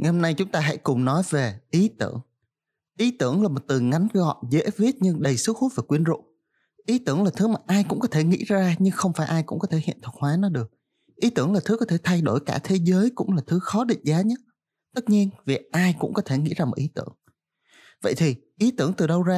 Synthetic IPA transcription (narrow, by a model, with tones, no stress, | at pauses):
ŋa˨˩ho˧mna˧jt͡ɕʊ˨˦ŋ͡mt̪aː˧ɦa̰˧˥jkʊ˨˩ŋ͡mnɔ˨˦jve˨˩ʔi˨˦t̪ɨ̰˧˩əŋ | ʔi˨˦t̪ɨ˧˩əŋlaː˨˩mo˨˩t̚t̪ɨ˨˩ŋa˨˦jŋɣɔ̰˧˨zḛ˧˥vi˦˥ət̚ɲɨ˧ŋɗə˨˩jsɨ˦˥k̚hu˦˥t̚va˨˩kwi˧ənzʊ̰˧˨ŋ͡m | ʔi˨˦t̪ɨ˧˩əŋlaː˨˩t̪ʰɨ˨˦maː˨˩ʔaː˧jkʊ̰˧˥ŋ͡mkɔ˨˦t̪ʰe˧˩ŋḭ˧˥zaː˧ɲɨ˧ŋxə˧wŋ͡mfaː˧˩jʔaː˧jkʊ̰˧˥ŋ͡mkɔ˨˦e˧˩hḭ˧˨ənt̪ʰə˨˩t̚hwaː˨˦nɔ˨˦ɗɨ˨˩ək̚ | ʔi˨˦t̪ɨ˧˩əŋlaː˨˩t̪ɨ˨˦kɔ˨˦t̪ʰe˧˩t̪ʰa˧jɗo˧˩jkaː˧˩t̪ʰe˨˦zəː˨˦jkʊ̰˧˥ŋ͡mlaː˨˩t̪ʰɨ˨˦xɔ˨˦ɗḭ˧˨ŋ̟̚zaː˨˦ɲə˦˥t̚ | t̪ɨ˦˥t̚ɲi˧ənvi˨˩ʔaː˧jkʊ̰˧˥ŋ͡mkɔ˨˦t̪ʰe˧˩ŋḭ˧˥zaː˧mo˨˩t̚ʔi˨˦t̪ɨ̰˧˩əŋ | və̰˧˨jt̪ʰi˨˩ʔi˨˦t̪ɨ˧˩əŋt̪ɨ˨˩ɗə˧wzaː˧